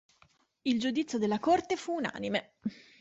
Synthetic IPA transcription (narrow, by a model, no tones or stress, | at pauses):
ild͡ʒud̪it̪sːjod̪elːakort̪efuːna̰ːnime